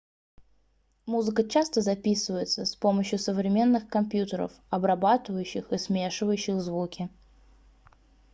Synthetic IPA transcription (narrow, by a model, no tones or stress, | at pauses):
muzɨkət͡ɕast̪əzɐpʲisɨvəjɪt̪səspo̞məɕjʊsəvɾʲɪmʲe̞nːɨxkɐmpʲjut̪əɾə̰f | ɐbɾɐbat̪ɨvəjʉɕːɪxɨsmʲeʂɨvəjʉɕːɪxzvukʲɪ